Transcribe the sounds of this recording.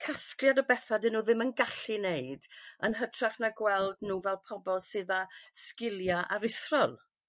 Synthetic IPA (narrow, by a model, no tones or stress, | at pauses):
kʰasklˠjadəbɛθadɨnuːðɪmənɡaɬɨneɨdənɦətʰraχnaɡwɛlˠdnuːvɛlˠpʰɔbɔlˠsɨːðaskɪlˠjaʔaɾɪθrɔlˠ